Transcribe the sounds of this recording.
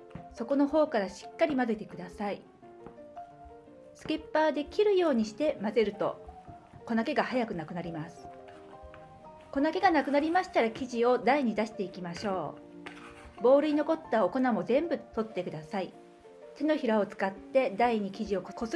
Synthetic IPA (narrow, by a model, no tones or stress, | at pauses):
so̞ko̞no̞ho̞ːkaɾaɕi̥kːaɾʲimazɯt̪ekɯ̟d̪asai | sɨ̥ke̞pːaːd̪e̞kʲiɾɯ̟jo̞ːɲ̟iɕi̥t̪e̞maze̞ɾɯ̟t̪o̞̰ | ko̞nake̞ɡahajakɯ̟nakɯ̟naɾʲimasɨ̥ | ko̞nake̞ɡanakɯ̟naɾʲimaɕi̥t̪aɾakʲiʑio̞d̪aiɲ̟id̪aɕi̥t̪e̞ikʲimaɕo̞ː | bo̞ːɾɯ̟ino̞ko̞t̪ːao̞ko̞namo̞zẽ̞mbɯ̟t̪o̞t̪ːe̞kɯ̟d̪asai | t̪e̞no̞çiɾao̞t͡sɨ̥kat̪ːe̞d̪aiɲ̟ikʲiʑio̞kko